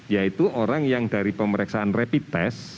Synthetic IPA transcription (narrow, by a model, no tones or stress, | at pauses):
jait̪uoɾaŋjaŋdaɾipəməɾɛksaanrepit̪ɛ̰s